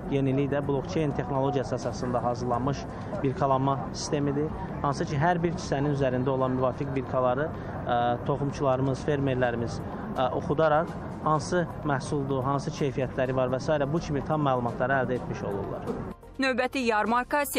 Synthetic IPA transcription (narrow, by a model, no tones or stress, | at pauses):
je̞nilijd̪æbulˠo̞kt͡ʃʰejnt̪ʰe̞xno̞lˠo̞ɟijɑsɯɑsɑsɯnd̪ɑɦɑːzɯɾlˠɑnmɯʃ | biɾkʰɑlˠɑnmɑsi̥st̪e̞mid̪i | hɑnsɯcʰiɦæɾbiɾcʰi̥sæninyzæɾind̪æo̞lˠɑnmyvɑːfikbiɾkʰɑlˠɑɾɯ | t̪ʰo̞χumt͡ʃʰulˠɑɾɯmɯz̥fe̞ɾme̞ɾlæɾimiz̥ | o̰χud̪ɑɾɑq | hɑnsɯ | mæhsulˠd̪uɦɑnsɯcʰe̞jfijæt̪ʰlæɾivɑɾvæsɑːiɾæbucʰimit̪ʰɑmːælˠumɑt̪ʰlˠɑɾɯæld̪æe̞t̪miʃo̞̰lˠṵɾlˠɑ̰ɾ̥ | nø̞vbæt̪ʰijɑɾmɑɾkɑs